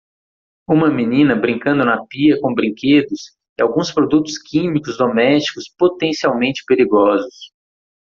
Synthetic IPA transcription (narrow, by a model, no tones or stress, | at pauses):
ũmɐminĩnɐbɾĩŋkɐ̃nd̪ʊnɐpiɐkõbɾĩŋked̪ʊs | ɪawɡũspɾod̪ut̪ʊ̥skʰĩmikʊzd̪omɛst͡ʃi̥kʊspot̪ẽsiawmẽnt͡ʃɪ̥peɾiɡɔzʊs